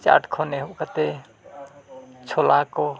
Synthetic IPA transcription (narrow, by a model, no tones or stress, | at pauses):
t͡ʃa̰ʈʰkʰoneɦokət̪e | t͡ʃʰolako